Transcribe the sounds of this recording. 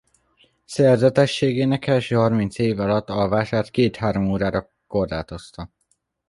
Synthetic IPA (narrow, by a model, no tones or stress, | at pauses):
sɛrzɛt̪ɛʃːeːɡeːnɛkːɛvɛʃøːhɒrmint̪seːvɒlɒt̪ːɒlvaːʃaːrt̪keːt̪haːɾomoːɾaːɾɒ | ko̞rlaːt̪ost̪ɒ